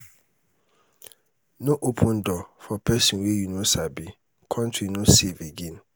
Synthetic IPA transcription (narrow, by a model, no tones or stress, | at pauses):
noʔopʰũn̩dɔfɔpɛsĩnwejunosabi | kʰɔ̃ntinoseveɡin̩